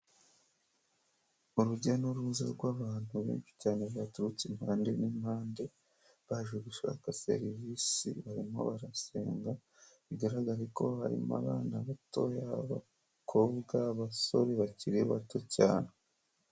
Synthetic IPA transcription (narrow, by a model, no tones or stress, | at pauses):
uɾuɟanuɾuːza̰ɾɡwaːβaːn̥huβe̞̰ːnʃi̥caːne̞βatuɾut͡simhaːnde̞nimhaːnde̞ | βaʒweɡuʃa̰kase̞̰ɾiviːsḭβaɾimo̞̰βaɾaseːŋɡa | βiɡaɾaɡaɾiko̞haɾḭma̰βanaβato̞jaβa̰ | kʰo̞βɡaβaso̞ɾeβaciɾiβato̞caːne